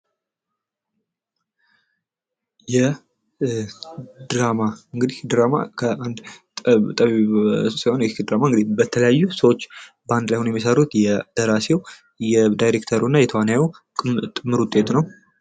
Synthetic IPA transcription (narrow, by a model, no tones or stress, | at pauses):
jɛ | d̪ɾamaɨŋɡɨd̪ihd̪ɾama̰kʰəʔand̪ | t̪ʼəβisahonjɛd̪ɾamaŋɡɨd̪ibət̪ʰələjajːusəwot͡ʃː | band̪lajhonjɛmːis̬əɾut̪jɛd̪̥əɾasew | jɛd̪ajɾekt̪ʰəɾunːajɛt̪ʰəwanjau | t̪ʼɨmːɨɾut̪ʼːet̪nəw